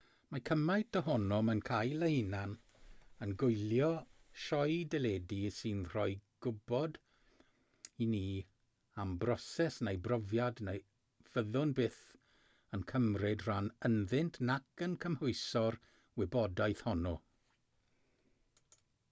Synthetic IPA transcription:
makʰəmajtʰəɦɔnɔmənkʰajlˠejnan | ənɡʊjlˠjɔ | ʃɔjdɛlɛdisɨnr̥ɔjɡ̥ʊbɔd | iniː | ambrɔsɛsnejbrɔvjadnej | v̥əðʊnbɪθ | ənkʰəmrɪdr̥anənðɪntʰnakənkʰəmhʊɨsɔr | wɪbɔdajθhɔnɔ

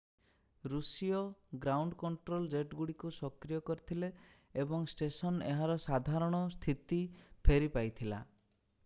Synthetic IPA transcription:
ɾusiɔɡɾawɳɖkɔɳʈɾold͡ʒeʈɡuɽikusɔkɾijɔkɔɾit̪ʰileː | bɔŋsʈesɔneɦaɾɔsad̪ʱaɾɔɽ̃ɔst̪ʰit̪ipʰeɾipajt̪ʰila̰

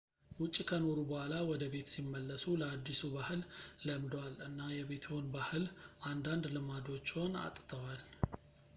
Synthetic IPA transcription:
wʊt͡ʃʼːkʰəno̞ɾubəhʷalawɔd̪əbe̞t̪simːəlːəsuləad̪ːisubahɨlːəmd̪walɨnːajɛβe̞t̪ʰhonbahɨlʔand̪and̪lɨmad̪o̞t͡ʃːho̞na̰t̪ʼt̪ʰəwal

